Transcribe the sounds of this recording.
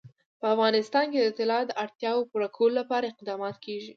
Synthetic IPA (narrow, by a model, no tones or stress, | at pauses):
pəafɣɑnɪst̪ɑnked̪ət̪ɪlɑd̪əʔaɽt̪jɑwopuɾakʰololapɑɾaɪqd̪ɑmɑt̪kʰeʒi